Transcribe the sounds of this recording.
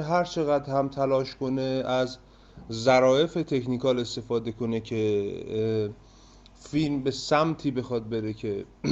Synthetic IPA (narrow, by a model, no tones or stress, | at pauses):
ɦæɾt͡ʃʰe̞ɣæd̪hæmt̪ʰælɒːʃko̞neæzː | æɾɒːje̞fet̪ʰe̞kʰniːkʰɒːle̞st̪e̞fɒːd̪e̞kʰo̞ne̞cʰe | filmbe̞sæmt̪ʰiːbe̞xɒːd̪̚beɾe̞cʰe